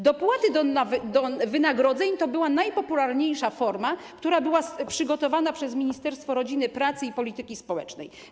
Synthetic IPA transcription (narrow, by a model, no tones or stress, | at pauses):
d̪ɔpwat̪ɘd̪ɔavd̪ɔvɘnaɡɾɔd̪zɛɲt̪ɔbɘwanajpɔpulaɾɲejʂafɔɾmakt̪uɾabɘwaspʂɘɡɔt̪ɔvanapʂɛzmʲiɲist̪ɛɾst̪fɔɾɔd͡ʑinɘpɾat̪sɘipɔlʲit̪ɘkʲispɔwɛ̰t͡ʂnɛ̰j